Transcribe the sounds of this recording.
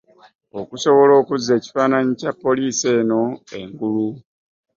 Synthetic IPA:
okuso̞βo̞lo̞ːkuzːe̞ːci̥faːnaɲicapːo̞liːse̞ːno̞e̞̰ŋɡulu

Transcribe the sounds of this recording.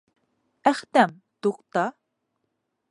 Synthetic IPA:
æχt̪ɛm | t̪uqt̪ɑ

